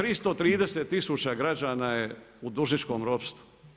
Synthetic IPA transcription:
t̪ɾist̪ot̪ɾiːd̪eseːt̪ːisuːt͡ɕaɡɾad͡ʒaːnaje | ud̪uʒnit͡ʃko̞ːmɾopst̪u̥

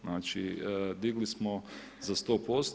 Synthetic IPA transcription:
naːt͡ʃid̪iɡlismo | zast̪o̞ːpo̞st̪

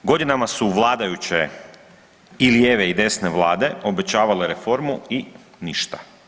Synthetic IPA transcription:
ɡo̞d̪inamasuʋlˠaːd̪ajut͡ɕe̞ | iljeːʋeid̪e̞sne̞ʋlˠaːd̪e̞o̞be̞t͡ɕaːʋaleɾe̞fo̞ɾmui | niʃt̪ḁ̰

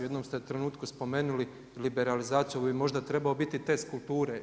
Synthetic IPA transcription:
jed̪nomst̪et̪ɾe̞nuːt̪kuspo̞me̞ːnuli | libe̞ɾalizaːt̪sijubimo̞ʒd̪at̪ɾe̞baobit̪it̪eskult̪uːɾe

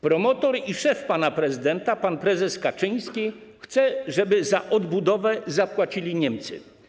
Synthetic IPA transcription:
pɾɔmɔt̪ɔɾiʂɛfpanapɾɛzɘd̪ɛnt̪apanpɾɛzɛskat͡ʂɘɲ̃skʲixt̪sɛʐɛbɘzaʔɔd̪bud̪ɔvɛzapwat͡ɕilʲiɲɛmt̪sɘ̰

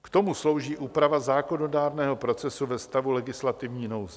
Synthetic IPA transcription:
kt̪o̞muslo̞wʒiːʔuːpɾavazaːko̞no̞daːɾnɛːɦo̞pɾo̞t͡sɛsuvɛst̪avulɛɡɪslat̪ɪvɲiːnowz

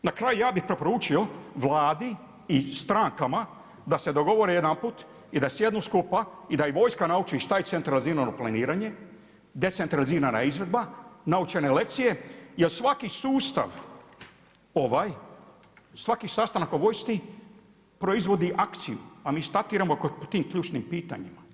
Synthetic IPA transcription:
nakɾaːjujaːbixpɾe̞po̞ɾuːt͡ʃio̞ʋlˠaːd̪i | ist̪ɾaŋkama | d̪ase̞d̪o̞ɡo̞ʋoɾejed̪ampuːt̪ | id̪asjed̪nuskupaid̪ajiʋo̞jskanaut͡ʃiʃt̪ajet̪se̞nt̪ɾaliziːɾano̞planiːɾaɲe̞ | d̪e̞t̪se̞nt̪ɾaliziːɾana̰izʋe̞d̪banaut͡ʃenelekt̪sije̞jelsʋakisuːst̪a̰ʋ | o̞ʋaj | sʋakisast̪anakoʋo̞jst̪i | pɾo̞izʋo̞d̪iʔakt̪sijuamiːst̪at̪iːɾamokopot̪iːmkʎʲuːt͡ʃnimpiːt̪a̰ɲima

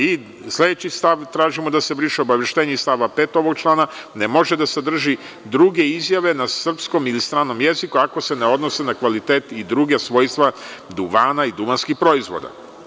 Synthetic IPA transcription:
i | slʲe̞d̪et͡ɕist̪aʋt̪ɾaːʒimod̪ase̞bɾiʃeo̞baʋeʃt̪eːɲest̪aʋape̞ːt̪o̞ʋo̞ɡ̚t͡ʃlˠaːnanemo̞ʒe̞d̪ased̪r̩ʒi | d̪ɾuɡe̞izjaʋe̞nasr̩psko̞milist̪ɾaːno̞mje̞zikuako̞se̞ne̞o̞d̪nosenakʋalit̪e̞ːt̪id̪ɾuɡesʋo̞ːjst̪ʋad̪uʋaːnaid̪uʋanskixpɾo̞izʋo̰d̪a̰

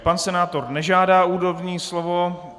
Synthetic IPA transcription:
pansɛnaːt̪o̞ɾnɛʒaːdaːuːɾovɲiːslovo

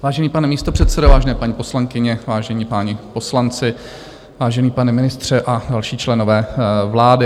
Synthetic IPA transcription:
vaːʒɛniːpanɛmiːst̪o̞pr̝̥ɛt̪sɛdovaːʒɛnɛːpaɲiːpo̞slaŋkɪɲɛvaːʒɛɲiːpaːɲɪpo̞slant͡sɪ | vaːʒɛniːpanɛmɪnɪst̪r̝̥ɛʔadalʃiːt͡ʃlɛnovɛːvlaːdɪ

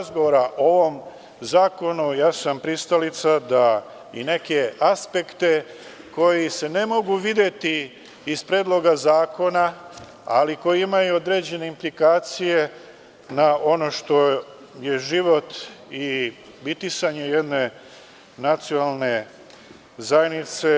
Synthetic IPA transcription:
zɡoʋoɾaʔoʋo̞m | zaːko̞nujaːsampɾist̪alit̪sad̪a | ḭne̞ke̞aspe̞kt̪e̞ | ko̞jise̞ne̞mo̞ɡuʋid̪je̞t̪iː | spɾeːd̪lˠo̞ɡazaːko̞na | a̰liko̞jiimajuo̞d̪ɾeːd͡ʑe̞ne̞implikaːt̪sije̞ | naʔo̞no̞ʃt̪o̞ | je̞ʒiʋo̞t̪i | bit̪isaɲe̞jed̪ne̞ | nat̪sionalˠne̞ | zajenit̪se̞

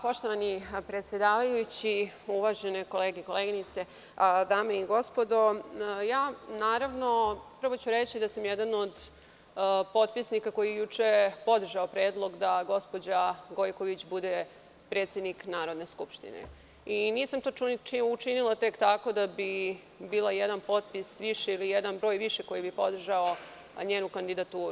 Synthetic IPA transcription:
po̞ʃt̪o̞ʋanipɾet̪sjed̪aːʋajuut͡ɕi | uʋaʒenekoleːɡeko̞leːɡinit̪se | d̪aːmeiɡo̞spo̞d̪o̞jaːnaːɾaʋno̞pr̩ʋo̞t͡ɕuɾet͡ɕid̪asamjɛd̪anod̪ | po̞t̪̚pisnikako̞jijejut͡ʂe̞po̞d̪r̩ʒaopɾeːd̪lˠo̞ɡd̪aɡo̞spo̞d͡ʑaɡo̞jkoʋit͡ɕbud̪e | pɾe̞ːt̪sje̞d̪niknaːɾo̞d̪ne̞skupʃt̪ḭnḛ | iniːsamt̪o̞iuʈ͡ʂinilˠat̪e̞kt̪ako̞d̪abi | biːlˠajɛd̪anpo̞t̪pisʋiʃeilijɛd̪anbɾo̞ːjʋiʃeko̞jibipo̞d̪r̩ʒao | ɲeːnukand̪id̪at̪uːɾ

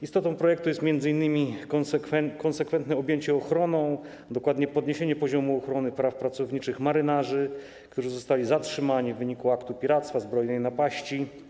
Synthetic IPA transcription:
ist̪ɔt̪ɔ̃w̃pɾɔjɛk̚t̪ujɛst̪mʲjɛnd̪zɘinːɘmʲikɛkɔnsɛkfɛnt̪nɛɔbʲjeɲt͡ɕɛɔxɾɔnɔ̃w̃ | d̪ɔkwad̪ɲɛpɔd̪ɲeɕeɲɛpɔʑɔmuɔxɾɔnɘpɾafpɾat̪sɔvɲit͡ʂɘxmaɾɘnaʐɘ | kt̪uʐɘzɔst̪alʲizatʂɘmaɲivːɘɲikuakt̪upʲiɾat̪st̪fazbɾɔjnɛjnapaɕt͡ɕi

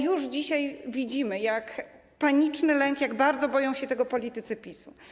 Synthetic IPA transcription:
juʐd͡ʑiɕajvʲid͡ʑimɘjak | paɲit͡ʂnɘlɛŋkjaɡbaɾd̪zɔbɔjɔ̃w̃ɕɛt̪ɛɡɔpɔlʲit̪ɘt̪sɘpʲisṵ

